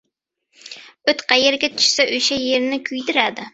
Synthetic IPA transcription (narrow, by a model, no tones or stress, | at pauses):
øt̪qʰɑjeɾɡʲɛt̪ʰy̥ʃsɛʔøjʃɛjeɾnɪkʲʰyjd̪ɪɾæd̪ɪ